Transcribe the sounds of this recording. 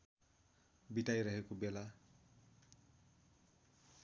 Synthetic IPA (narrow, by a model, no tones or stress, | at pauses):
biʈajɾʌɦekobela